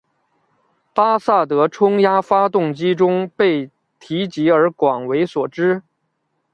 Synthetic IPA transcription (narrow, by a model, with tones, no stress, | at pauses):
pa˥sa˥˩t̪ɤ˧˥ʈ͡ʂʰʊ˥ŋja˥fa˥t̪ʊ˥˩ŋt͡ɕi˥ʈ͡ʂʊ˥ŋpe˥˩ɪ | t̪ʰi˧˥t͡ɕi˧˥ə˞˧˥kwɑ˨˩ŋwe˧˥ɪswɔ˨˩ʈ͡ʂɻ̩˥